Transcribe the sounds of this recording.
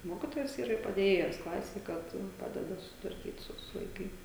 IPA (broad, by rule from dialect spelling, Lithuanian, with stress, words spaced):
ˈmoːkʲɪtoːjɛs ˈiːrɐ ɪr pɐdʲeːˈjeːjɛs klˠɐsʲeːj ˈkɐt ˈpɑːdʲɛdɐ sʊsʲɪtʋɐrʲˈkʲiːt ˈsʊ sʊ ʋɐɪˈkɐɪ